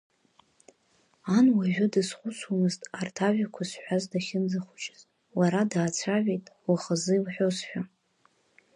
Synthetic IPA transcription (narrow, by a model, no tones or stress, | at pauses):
anwaʒʷᶣʊdɨsχʷʊt͡sʷʰwamɨztʼartʰaʒᶣakʷʰasħʷᶣazdaχʲɪnd͡zaχʷʊt͡ʃʼɪz | waɾadaːt͡sʷʰaʕʷᶣejtʼwaχəzɨilħᶣosħᶣa